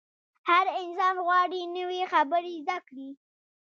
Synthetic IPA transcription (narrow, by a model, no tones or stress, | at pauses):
haɾɪnsɑnɣwɑɽinəwixabəɾizd̪akɽi